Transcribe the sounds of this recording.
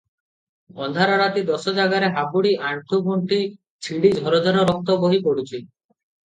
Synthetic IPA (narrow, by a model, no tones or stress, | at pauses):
ɔnd̪ʱaɾɔɾat̪id̪ɔsɔd͡ʒaɡaɾeɦabuɽiʔaɳʈ̪ʰubʱoɳʈi | t͡ʃʰiɽid͡ʒʱɔɾɔd͡ʒɔɾɔɾɔk̚t̪ɔbɔɦipɔɽut͡ʃʰi